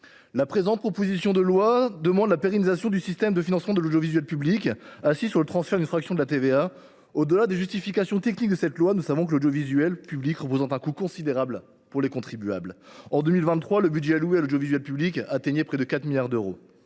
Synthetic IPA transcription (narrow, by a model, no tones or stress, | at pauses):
lapχezɑ̃t̪̚pχɔpozisjɔ̃d̪əlwad̪əmɑ̃d̪lapeʁɛnizasjɔ̃d̪ysist̪ɛmd̪əfinɑ̃smɑ̃d̪əlod̪jovizɥɛlpyblikasisyʁlət̪χɑ̃sfɛʁd̪ynfχaksjɔ̃d̪əlat̪evea | od̪əlad̪eʒyst̪ifikasjɔ̃t̪ɛknik̚d̪əsɛt̪lwanusavɔ̃kəlod̪jovizɥɛlpyblikʁəp̬ozɑ̃t̪ɛ̃kukɔ̃sid̪eʁabl | puʁlekɔ̃t̪χibya̰blɑ̃d̪ømilvɛ̃nt̪χwaləbydʒɛaluealod̪jovizɥɛlpyblikaːt̪eɲepχɛd̪əkat̪miljaʁd̪øʁo̰